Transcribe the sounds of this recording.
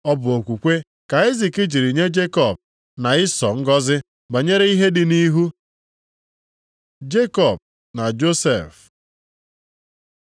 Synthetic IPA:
ɔ˦bʊ˨o˨kʷu˨kʷe˦ | ka˨i˦zi˨kɪ˦d͡ʒi˨ɾi˨ɲe˦d͡ʒe˦kɔ˨b̚ | na˨ɪ˦sɔ˨ŋ̩˦ɡɔ˦zɪ˦ | ba˨ɲe˦ɾe˦i˦ɦe˦dɪ˨ni˦ɦu˦ | d͡ʒe˦kɔ˨b̚ | na˨d͡ʒo˦se˨f

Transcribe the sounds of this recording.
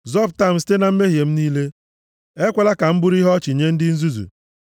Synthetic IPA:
zɔ˦p̚ta˦˨m̩si̥˦te˦na˨m̩˦me˦ɦje˨m̩˦niː˦le˦ | e˦kʷe˨la˦ka˨m̩˦bʊ˦ɾi˦ɦɔ˦t͡ʃi˨ɲe˦n̩˦dɪ˦n̩˦zu˦zṵ˨

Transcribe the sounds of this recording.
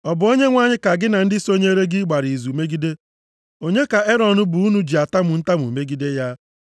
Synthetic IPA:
ɔ˨bʊ˨o˦ɲe˦ŋʷa˦ɲɪ˦ka˨ɡɪ˦na˨n̩˦dɪ˦so˦ɲe˦ɾe˦ɡɪ˦ɡ͡ba˨ɾi˨zu˨me˦ɡi˦de˦ | o˦ɲe˦ka˨e˦ɾɔ˨nʊ˦bʊ˨u˦nu˦d͡ʒi˨a˨ta˦mʊ˨n̩˦ta˦m˨ṵ˨me˦ɡi˦de˦ja˦

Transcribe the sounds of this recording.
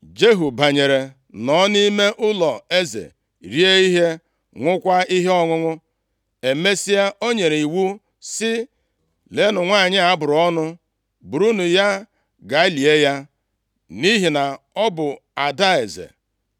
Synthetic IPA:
d͡ʒe˦ɦu˨ba˨ɲe˨ɾe˨ | nɔ˦ni˦me˦ʔʊ˦lɔ˨e˦zḛ˨ | ɾi˦e˦i˦ɦe˦ | ŋʷʊ˦kʷa˦i˦ɦe˦ɔ˦ŋʊ˦ŋʊ˦ | e˨me˦si˦ja˦ʔo˦ɲe˨ɾe˨i˨wu˦ | sɪ˦ | le˨˦nʊ˨ŋʷa˦˨ɲɪ˦a˨˦bʊ˨ɾʊ˨ɔ˦nʊ˦ | bu˨ɾu˦nu˨ja˦ | ɡa˨ɪ˦li˨e˦ja˦ | ni˦ɦi˨na˨ | ɔ˦bʊ˨ | a˨da˦e˨zḛ˨

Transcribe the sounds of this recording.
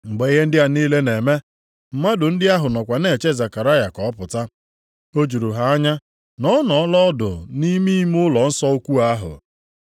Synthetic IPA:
ŋ͡m̩˨ɡ͡be˨i˦ɦe˦n̩˦dɪ˦a˨niː˦le˦ne˨me˦ | m̩˨ma˦dʊ˨n̩˦dɪ˦a˦ɦʊ˨nɔ˨kʷa˨ne˨t͡ʃe˦za˨ka˨ɾa˦ja˨kɔ˨ɔ˦pʊ˨ta˦ | o˦d͡ʒu˨ɾu˨ɦa˨a˦ɲa˦ | nɔ˦nɔ˨˦lɔ˦ɔ˦dʊ̰˨ni˦mi˦m˦ʊ˦lɔ˨n̩˦sɔ˦o˦kʷu˦a˦ɦʊ̰˨

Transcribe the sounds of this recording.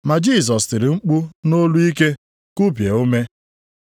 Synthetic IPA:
ma˨d͡ʒi˦˨s̬ɔ˨sti˨ɾɪ˨ŋ͡m̩˦k͡pu˦no˦lu˦i˦ke˦ | ku˦p̬je˨o˦me˦

